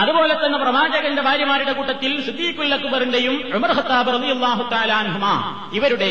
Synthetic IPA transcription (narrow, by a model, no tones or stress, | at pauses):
ɐðubo̞ːlɐt̪ːɐnːɐprɐmaːd͡ʑɐɣɐnde̞bʱaːɾjɐmaːɾiɽe̞kuːʈːɐt̪ːilsud̪ːiːkːulːɐkːubɐrindejumʕʊmɐrxɐt̪ːaːbrɐðijɐlˠːaːɦut̪ɐaːlaɐnɦumaː | iʋɐɾuɽe̞